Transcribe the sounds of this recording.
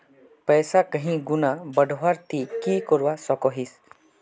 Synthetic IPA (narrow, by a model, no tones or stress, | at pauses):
pɛːsakəɦĩɡʊnabəɖʱʋaɾt̪ikikɔɾwasɔkɔɦis